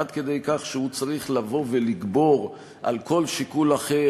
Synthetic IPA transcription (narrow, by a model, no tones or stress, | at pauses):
ad̪ke̞d̪ejkaχʃehut͡saʁiχlavo̞ve̞liɡbo̞ʁ | ʔa̰lko̞lʃikulaχe